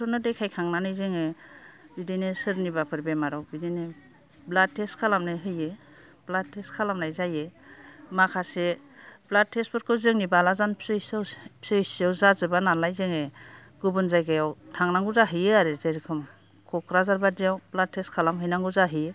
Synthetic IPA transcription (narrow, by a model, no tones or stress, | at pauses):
tʰɔnɯdejkʰajkʰaŋnanɯjzɯŋebidinesɯɾnibapʰɯɾbemaɾɔwbidine | blad̚tʰːeskʰalamnajɦɯje | blatʰeskʰalamnajzajemakʰaseblad̚tʰespɔɾkʰɯzɯŋnibalazanpʰsɯjswpsɯjsawzazɯbanalajzɯŋe | ɡ̥ubɯnzajɡajawtʰaŋnaŋɡuzaɦɯjɯaɾɯzeɾkʰɯm | kʰɔkɾazaɾbadijawblad̚tʰeskʰalamɦɯjnaŋɡuzaɦɯj